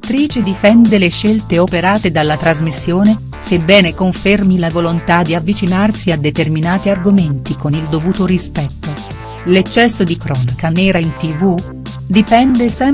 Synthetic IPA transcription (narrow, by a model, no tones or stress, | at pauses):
t̪ːɾiːt͡ʃed̪ifɛnd̪eleʃːelt̪eopeɾaːt̪ed̪alːat̪ɾazmisːjoːne | sebːɛːnekoɱfermilavolont̪ad̪iavːit͡ʃinarsiad̪ːet̪erminaːt̪iarɡoment̪ikonild̪ovuːt̪oɾispɛt̪ːo | let͡ʃːɛsːod̪ikɾɔːnakanɛːɾaint̪ivu | d̪ipɛnd̪esɛ